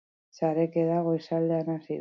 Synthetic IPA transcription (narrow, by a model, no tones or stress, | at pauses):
saɾekeðaɣo̞jsald̪eanasið